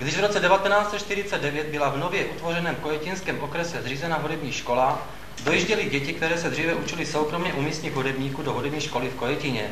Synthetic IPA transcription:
ɡdɪʒvɾot͡sɛdɛvat̪ɛnaːt͡sɛt͡ʃt̪ɪɾɪt͡sɛd̚dɛvjɛd̪̚bɪlavnovjɛʔut̪vorɛnɛːmkojɛcɪnskɛːmʔokɾɛsɛzriːzɛnaɦudɛbɲiːʃko̞la | dojiʒɟɛlɪɟɛcɪk̚t̪ɛɾɛːsɛd̪riːvɛʔut͡ʃɪlɪsowkɾomɲɛʔumiːst̪ɲɪd̪ɦudɛbɲiːkudoɦudɛbɲiːʃkolɪfkojɛcɪɲɛ

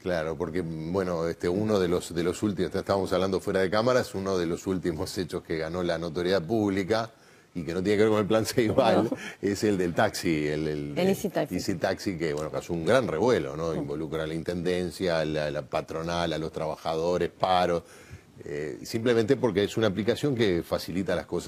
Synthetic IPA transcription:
klaɾo̞po̞ɾkebwe̞no̞eht̪euno̞ð̞elosðelo̞sult̪imotaet̪aβamosaβland̪o̞fweɾað̞ekamaɾaesunoðelo̞sult̪imoset͡ʃoskeɣano̞lanot̪o̞ɾjeðaðpuβlika | ikenot̪jenekeɾkone̞lplansejβaleseld̪elt̪aksielelsaisit̪aksikeβwenokasouŋɡɾanreβwe̞lo̞̰noimbo̞lukɾanlaint̪e̞nd̪ensjalalapat̪ɾo̞nalalo̞st̪ɾaβaxaðo̞ɾespaɾos | ḛsimplemẽnt̪epo̞ɾkeesunaːplikasjo̞ŋkefasilit̪alaskosa

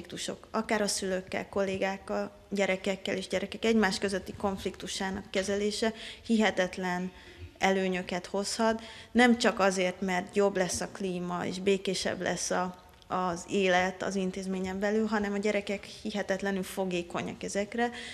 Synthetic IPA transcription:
ik̚t̪uʃo̞̰kɒkaːɾɒsylø̞kːɛ̰lko̞lːeːɡaːkːɒl | ɟɛɾɛkɛkːɛleːʒɟɛɾɛkɛkɛɟmaːʃkø̞zøt̪ːiko̞ɱflikt̪uʃaːnɒkːɛzɛleːʃɛhiɦɛt̪ɛt̪lɛn | ɛløːɲø̞kɛt̪ho̞shɒt̪nɛmt͡ʃɒkɒzeːrt̪mɛrt̪jo̞blɛsːɒkliːmɒḛːʃbeːkeːʃɛ̰blʔɛ̰sːɒː | zeːlɛt̪ɒ̰zint̪eːzmeːɲɛmbɛlylɦɒnɛmɒɟɛɾɛkɛkhiɦɛt̪ɛt̪lɛnylfo̞ɡeːko̞ɲɒ̰kɛzɛkrɛ

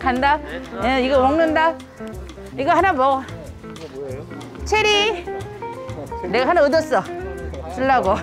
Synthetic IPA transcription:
kʰandajeiɡʌwʌŋnɯnda | iɡʌhanamʌ | t͡ɕʰeɾi | neɡaɦhanaɯdʌs͈ʌsʰɯɭːaɡo

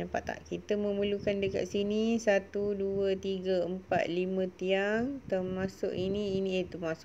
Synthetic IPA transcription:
apa̰ʔt̪a̰ʔkit̪əmə̃məlukandəka̰ʔ̪̚sinisat̪uduət̪iɡəəmpa̰t̪̚limə̃t̪iaŋt̪ərmasʊ̰ʔiniːnĩet̪umasʊ

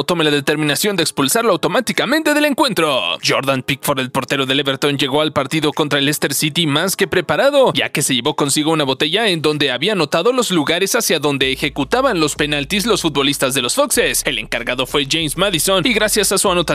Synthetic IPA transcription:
t̪o̞me̞laðe̞t̪eɾmĩnasjo̞nd̪ekspulsaɾloawt̪o̞mat̪ikamẽ̞nt̪e̞ðele̞ŋkwe̞nt̪ɾo̞ʝo̞ɾðanpikfoɾdelpo̞ɾt̪e̞ɾo̞ðe̞leβe̞ɾt̪o̞nʝe̞ɣo̞alpaɾt̪iðo̞ko̞nt̪ɾaelest̪e̞ɾsit̪imaske̞pɾe̞paɾaðo̞ʝa̰ke̞se̞ʝe̞βo̞ko̞nsiɣo̞unaβo̞t̪e̞ʝae̞nd̪o̞nd̪e̞aβiano̞t̪aðo̞lo̞zluɣaɾe̞sasjaðo̞nd̪e̞ːxe̞kut̪aβanlo̞spe̞nalt̪izlo̞sfut̪̚bo̞list̪azðe̞losfokse̞se̞le̞̰ŋkaɾɣaðo̞fwe̞ʝejmsmaðiso̞niɣɾasjasasuano̞t̪a

